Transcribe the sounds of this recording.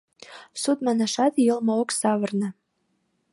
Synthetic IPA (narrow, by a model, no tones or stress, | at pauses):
sut̪̚mɑnæʃɑt̪jɤlmŏoksɑβɤ̆rnɤ̆